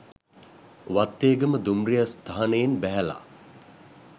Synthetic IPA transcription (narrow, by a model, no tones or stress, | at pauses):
ʋat̪ːeːɡəməd̪umrijast̪aɦɐnəjenbæɦɛla̰